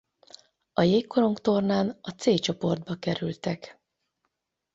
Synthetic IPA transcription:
ɒjeːkːoɾo̞ŋkt̪o̞rnaːnɒt̪seːt͡ʃo̞po̞rd̪̚bɒkɛɾylt̪ɛk

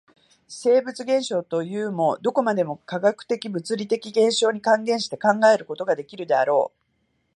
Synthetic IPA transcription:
se̞ːbɯ̟t͡sɨɡẽ̞ɰ̃ɕo̞ːt̪o̞jɯ̟ːmo̞d̪o̞ko̞mad̪e̞mo̞kaɡakɯ̟̥t̪e̞kʲibɯ̟t͡sɨɾʲit̪e̞kʲiɡẽ̞ɰ̃ɕo̞ːɲ̟ikãŋɡẽ̞ɰ̃ɕi̥t̪e̞̥kãŋɡae̞ɾɯ̟ko̞t̪oɡad̪e̞kʲiɾɯ̟d̪e̞aɾo̞ː

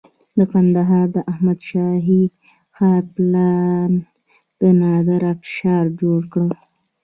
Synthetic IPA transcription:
d̪əkand̪aɦɑɾd̪əʔahmad̪ʃɑɦi | xɑɾplɑn | b̥ɪnɑd̪əɾafʃɑɾd͡ʒoɽkɽə

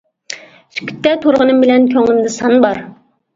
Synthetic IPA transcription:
sy̥kʲy̥t̪ːɛt̪ʰoɾʁənɨmbɪlɛnkʲʰøŋlɪmd̪ɨsɑnbɑɾ

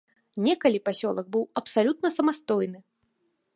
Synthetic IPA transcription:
nʲɛkɐlʲipasʲɔlˠɐɡ̚bɨwɐpsalʲut̪̚nɐsɐmast̪ɔjnɨ

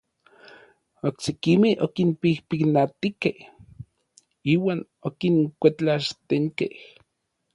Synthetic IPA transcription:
oksekimehokinpihpiknat̪ikeh | iːwaːn | okiŋkʷet͡ɬaʃt̪eŋkeh

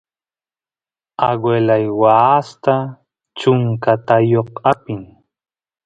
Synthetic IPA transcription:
aɡwelajwast̪a | t͡ʃʊŋkat̪ajoqapɪŋ

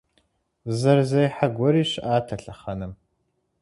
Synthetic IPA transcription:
zɐrzɐjħaɡʷɔɾiːɕʔaːtʰɐɬɐχɐnɨm

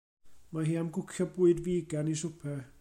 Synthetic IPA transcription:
maɦiːamɡʊkʰjɔbuɨdviːɡanisʊpʰɛ

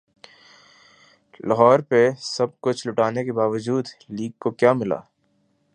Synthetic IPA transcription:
lɐɦɔːɾpesɐb̚kʊt͡ʃʰlʊʈaːnekebaːʋəd͡ʒuːd̪liːɡ̚kokjaːmɪla̰ː

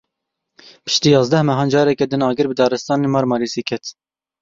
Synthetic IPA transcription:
pʰɨ̥ʃt̪iːjɑːzd̪ɛhmɛɦɑːnd͡ʒɑːɾɛkɛd̪ɨnɑːɡɨɾbɨd̪ɑːɾɨst̪ɑːnemɑɾmɑliːsiːkʰɛt̪

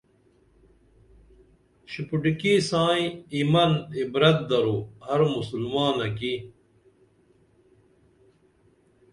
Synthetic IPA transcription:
ɕipuɖikisãːĩimɐnibɾɐt̪̚d̪ɐɾohɐɾmusulmaːnɐki

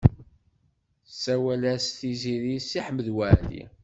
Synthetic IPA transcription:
sːæwælæsθiziɾisːiħəməðwæʕlḭ

